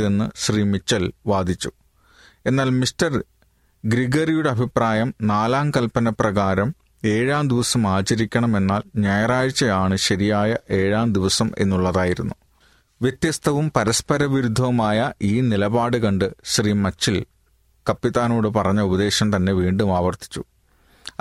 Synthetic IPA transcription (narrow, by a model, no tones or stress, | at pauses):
enːɨɕriːmit͡ɕːɐlʋaːd̪ʱit͡ɕːu̥ | e̞nːaːlmistɐr | ɡɾiɡɐrijuɽeɐbʱipraːjɐmnaːlaːmkɐlpɐnɐprɐɣaːɾɐm | e̞ːɻaːmd̪iʋɐsɐmaːt͡ɕɐɾikʲːɐɳɐme̞nːaːlɲɐjɐraːɻit͡ɕːɐjaːɳɨɕɐɾijaːjɐʔe̞ːɻaːmd̪iʋɐsɐme̞̰nːuɭːɐðaːjiɾunːu | ʋjet̪ːjɐst̪ʰɐʋumpɐɾɐspɐɾɐʋiɾud̪ʱːɐmaːjɐʔiːnilɐbaːɽɨkɐɳɖɨɕriːmɐt͡ɕːil | kɐpːit̪aːno̞ːɽɨpɐrɐɲːɐubɐd̪e̞ːɕɐmt̪ɐnːe̞ʋiːɳɖumaːʋɐrt̪i̥t͡ɕːu